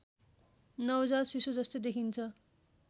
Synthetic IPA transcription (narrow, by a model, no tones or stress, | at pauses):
nʌwd͡zarsisud͡zʌst̪ojd̪ekʰint͡sʰʌ